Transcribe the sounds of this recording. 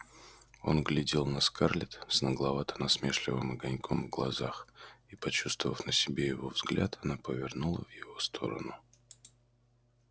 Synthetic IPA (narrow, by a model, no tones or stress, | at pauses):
o̞nɡlʲɪdʲelˠnɐskʰarlʲɪt̪snəɡlˠɐvat̪ə̥nɐsmʲe̞ʂlʲɪvɨmɐɡɐnʲkʰomvɡlˠɐ̰zaxipɐt͡ɕust̪vəvəfnəsʲɪbʲejɪvo̞vzɡlʲʔa̰t̪ʰɐnapəvʲɪrnulˠə̰vjɪvo̞st̪ʰo̞̰ɾə̰nʊ